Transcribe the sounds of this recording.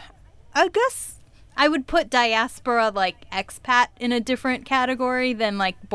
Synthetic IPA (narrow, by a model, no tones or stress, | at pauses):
ʔaʊɡɛs | ʔaɪwɨd̚pʰʊt̚d̥aɪæspə˞əlaɪkɛkspʰæɾɨ̃ñɨdɪfɹɨ̃nkʰæɾɨɡɔɹiðɨ̃nlaɪk̚b̥